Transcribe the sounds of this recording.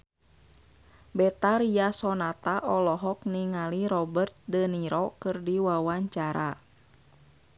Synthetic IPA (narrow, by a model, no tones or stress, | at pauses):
bɛt̪aɾiasɔnat̪aʔɔlɔɦɔk̚niŋaliɾɔbərt̪̚dəniɾɔkɨrdiwawaɲt͡ʃaɾa